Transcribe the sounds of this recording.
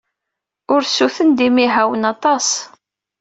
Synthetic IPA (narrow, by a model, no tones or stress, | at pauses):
ʊɾsuθənd̪imiɦæwənɑt̪ˤɑs